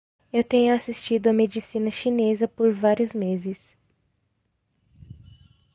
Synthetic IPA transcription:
ewt̪ẽɲʊasist͡ʃid̪ʊɐmed͡ʒisĩnɐʃinezɐpoɾvaɾiʊzmezɪs

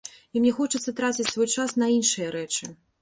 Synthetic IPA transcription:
imnʲɛxɔt͡ʂɨt̪sːɐt̪ɾat͡sʲit͡sʲsvɔjt͡ʂasnɐinʂɨjɐɾɛt͡ʂɨ

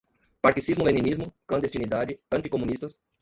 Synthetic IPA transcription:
paɾkisizmʊlẽnĩnizmʊklɐ̃nd̪est͡ʃinid̪ad͡ʒɪɐ̃nt͡ʃ̪ikomũnist̪ɐs

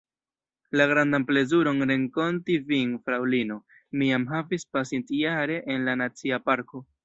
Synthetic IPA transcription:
laɡɾandample̞zuɾo̞nɾe̞ŋko̞ntiviŋfɾawlino̞ | miamɦavispasintijaɾe̞ʔenlanat͡siapaɾko̞

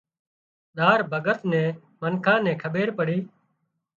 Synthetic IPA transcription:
ɗ̪aːɾbʱəɡət̪nɛ̃ː | mənkʰãːnɛ̃ːkʰəɓeːɾpəɽiː

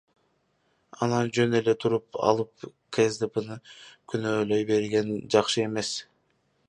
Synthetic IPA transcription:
ɑnɑnd͡ʒø̞ne̞le̞t̪ʰuɾup̚ɑ̰lˠɯp̚ | kʰesd̪epənɯkʰynø̞ːlø̞jbe̞ɾɡe̞nd͡ʒɑqʃɯe̞me̞s

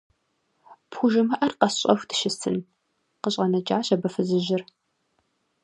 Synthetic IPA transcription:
pxʷʊʒɪmɐʔɐrqɐsɕʼɐxʷdʰɨ̥ʃɪstʰɨn | qəɕʼɐnɐt͡ʃʼaːɕɐbɐfɨzɨʑɪr

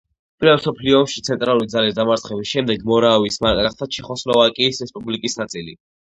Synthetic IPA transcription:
pʼiɾvɛlˠsɔpʰliɔːmʃit̪sʰɛnt̪ʼɾalˠuɾid̪zalisd̪amaɾt̪sʰχɛbisʃɛmd̪ɛɡmɔɾavismaɾkʼaχt̪ʰat͡ʃʰɛχɔslɔvakʼiːsɾɛspʼublikʼisnat̪sʼili

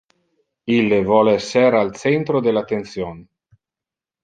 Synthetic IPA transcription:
ilːevwɔlɛseɾalsent̪ɾod̪elat̪ːent̪sjoːn

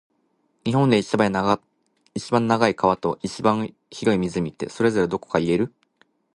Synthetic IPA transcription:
ɲ̟iɦõ̞nd̪e̞it͡ɕabana | it͡ɕibãnːaɡaikaβ̞at̪o̞ʔit͡ɕibãɰ̃ | çiɾo̞imʲizɨmʲit̪eso̞ɾe̞zo̞ɾe̞d̪o̞ko̞̥kaie̞ɾɯ̟

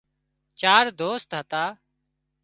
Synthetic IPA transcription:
t͡ʃaːɾd̪oːst̪ɦət̪aː

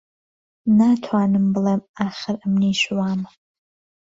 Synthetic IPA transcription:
natʰaːnɨmbɨlɐmaːχʲɪramneːʃwaːm

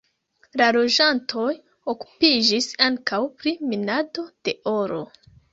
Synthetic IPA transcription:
lalo̞d͡ʒantʰo̞j | oku̥pid͡ʒisaŋkawpɾiminado̞d̥e̞o̞ɾo̞̰

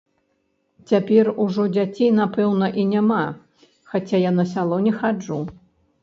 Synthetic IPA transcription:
t͡sʲapʲɛruʐɔd͡zʲat͡sʲejnapɛwnɐʔinʲama | xat͡sʲajanɐsʲalˠɔnʲɛxad͡ʐu

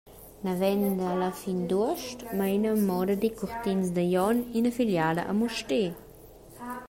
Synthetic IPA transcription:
navɛnd̪alafind̪uəʃtmainəmɔd̪ɐd̪ikuɾt̪insd̪əjɔninafiljad̪ɐ̰ʔamuʃte

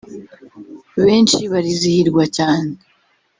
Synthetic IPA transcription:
βe̞ːnt͡ʃiβaɾizihiɾɡwacaːne

